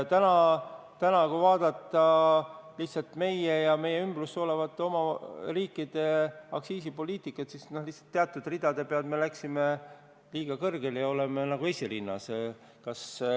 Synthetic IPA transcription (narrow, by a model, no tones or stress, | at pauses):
t̪ænɑt̪ænɑkuvɑːd̪̥ɑt̪ˑːɑliht̪sɑlt̪me̞jejɑme̞jːeymb̥ruso̞levɑt̪ːˑo̞mɑriːkːˑid̪̥e̞ɑksiːsipo̞lʲiːt̪ˑikːˑɑt̪sisnohlihtsɑ̥t̪ːeɑt̪ˑːud̪̥rid̪̥ɑd̪e̞peɑld̪melæksime | liːɡ̥ɑkɤrɡ̥e̞ljɑo̞le̞menɑɡue̞sʲiɾinːɑ̰s | kɑs